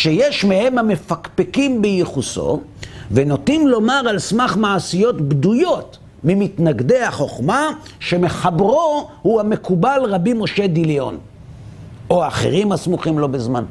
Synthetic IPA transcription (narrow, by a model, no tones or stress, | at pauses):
ʃejeʃmehe̞mhame̞fakpekimbejiχuso̰ | veno̞t̪imlo̞maʁalsmaχmaːsijo̞tbd̪ujo̞t | mimitnaɡd̪e̞haχo̞χma | ʃe̞me̞χabʁohuame̞kubalʁabimo̞ʃe̞d̪ilio̞̰n | oaːχḛʁimasmuχimlo̞bezman